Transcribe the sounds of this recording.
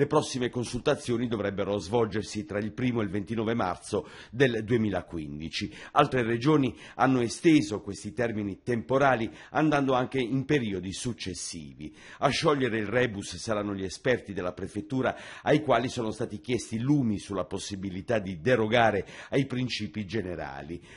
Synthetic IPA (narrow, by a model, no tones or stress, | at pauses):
lepɾɔsːimekonsult̪at̪sːjoːnid̪ovɾɛbːeɾozvɔld͡ʒersit̪ɾailpɾiːmoelvent̪inɔːvema̰rt̪so | d̪eld̪uemiːlakwḭnd̪it͡ʃialt̪ɾered͡ʒoːni | anːoest̪eːzokwest̪it̪ɛrminit̪empoɾaːli | and̪and̪oaŋk̟eimpeɾiːod̪isut͡ʃːesːḭːvḭ | aʃːɔʎːeɾeilrɛːbussaɾanːoʎiɛspɛrt̪id̪elːapɾefet̪ːuːɾaajkwaːlisoːnost̪aːt̪ik̟jɛst̪iluːmisulːaposːibilit̪ad̪id̪eɾoɡaːɾeajpɾint͡ʃiːpid͡ʒeneɾa̰ːli